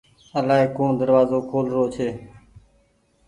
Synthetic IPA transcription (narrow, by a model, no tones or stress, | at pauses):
əlaːɦeːkõːɳd̪əɾʋaːzoːkʰoːlɾoːt͡ʃʰeː